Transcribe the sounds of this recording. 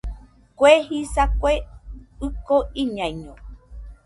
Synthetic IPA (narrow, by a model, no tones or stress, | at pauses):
kʷehisakʷeɨkoiɲãiɲõ